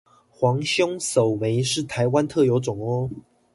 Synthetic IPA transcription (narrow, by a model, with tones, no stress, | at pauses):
xwɑ˧˥ŋɕjʊ˥ŋso˨˩ʊme˨˧˦ɪʂɻ̩˥˨t̪ʰa˧˦ɪwa˦nt̪ʰɤ˥˨jo˧˥ʊt͡sʊ˨˩ŋo˦